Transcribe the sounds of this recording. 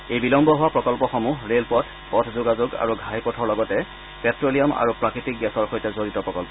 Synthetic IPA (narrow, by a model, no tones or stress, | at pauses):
ejbilɔmbɔɦʊwapɹɔkɔlpɔxɔmuɹelpɔtʰ | pɔtʰzoɡazʊɡa̰ɹuɡʱajpɔtʰɔɹlɔɡɔtɛ | pɛtɹolijɔma̰ɹupɹakɹitik̚ɡɛsɔɹxojtɛzoɹitɔpɹɔkɔlpɔ